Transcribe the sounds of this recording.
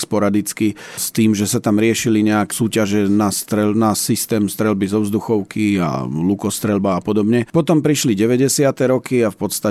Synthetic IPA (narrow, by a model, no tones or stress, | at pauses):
spɔɾad̪it͡skist̪iːmʒɛsat̪amɾɪɛʃiliɲɛaksuːcaʒɛnast̪ɾɛlnasist̪ɛːmst̪ɾɛlbizɔʊzd̪uxɔʊkia̰lukɔst̪ɾɛlbaːpɔd̪ɔbɲɛpɔt̪ɔmpɾiʃliɟɛʋɛɟɛsɪat̪ɛɾɔkiafpɔt̪st̪a